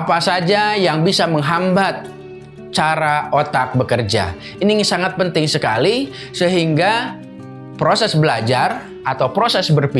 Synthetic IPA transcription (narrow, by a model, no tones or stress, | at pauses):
apasad͡ʒajaŋbisaməŋɦambat̪̚ | t͡ʃaɾaot̪ak̚bəkərd͡ʒa̰ | inisaŋat̪̚pənt̪ɪŋsəka̰li | səɦiŋɡa | pɾosɛsbəlad͡ʒar | ʔat̪awpɾosɛsbərpi